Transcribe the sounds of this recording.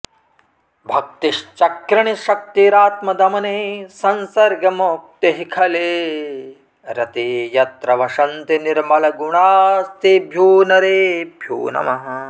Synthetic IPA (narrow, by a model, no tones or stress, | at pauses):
bʱɐk̚t̪iʃt͡ʃɐkɾɐɳiʃɐk̚t̪iɾaːt̪mɐd̪ɐmɐneːsɐnsɐɾɡɐmok̚t̪eɦikʰɐleː | ɾɐt̪ejɐt̪ɾɐʋɐʃɐnt̪iniɾmɐlɐɡuɳaːst̪ibʱjuːnɐɾeːbʱjṵːnɐ̰mɐɦɐ